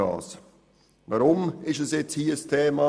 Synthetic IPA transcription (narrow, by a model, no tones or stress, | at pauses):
ɑ̰ːs | vaɾʊmɪʃɛsjɛt͡shiːəstʰeːma